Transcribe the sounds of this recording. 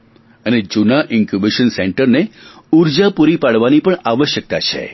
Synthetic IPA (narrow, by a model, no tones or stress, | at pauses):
əned͡ʒunaʔɪŋkjubiʃənsɛɳʈəɾne | uɾd͡ʒapuɾipaɽʋanipəɳaʋəʃjək̚t̪a̰t͡ʃʰḛ